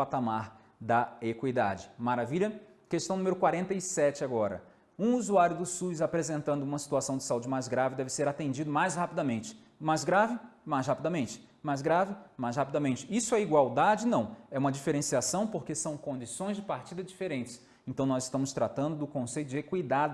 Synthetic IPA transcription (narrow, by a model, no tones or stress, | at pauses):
pat̪amaɾ | d̪ɐekwid̪a̰d͡ʒɪmaɾaviʎɐ | kest̪ɐ̃umeɾʊkwaɾẽnt̪ɐisɛt͡ʃɪaɡɔɾɐ̰ | ũuzuaɾjʊd̪ʊsuzapɾezẽnt̪ɐ̃nd̪ʊũmɐsi̥t̪uasɐ̃w̃d͡ʒɪ̥saud͡ʒɪmajzɡɾavɪd̪ɛvɪseɾat̪ẽnd͡ʒid̪ʊmajzhapid̪ɐmẽnt͡ʃɪ̥ | majzɡɾavɪmajzhapid̪ɐmẽnt͡ʃɪ̥majzɡɾavɪmajshapid̪ɐmẽnt͡ʃɪisʊɛiɡwawd̪ad͡ʒɪnɐ̃w̃ɛũmɐd͡ʒifeɾẽsiasɐ̃w̃poɾkesɐ̃w̃kõnd͡ʒisõj̃zd͡ʒɪpaɾt͡ʃid̪ɐd͡ʒifeɾẽnt͡ʃɪ̥s | ẽnt̪ɐ̃w̃nɔzɪʃt̪ɐ̃mʊst̪ɾat̪ɐ̃nd̪ʊd̪ʊkõsejt̪ʊd͡ʒɪekwid̪ad̪ʊ